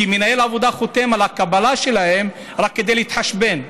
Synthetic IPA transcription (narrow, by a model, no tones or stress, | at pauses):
imenaelavod̪aχot̪e̞malhakabalaʃe̞lahe̞m | ɾakːed̪ejleit̪ħaʃbe̞n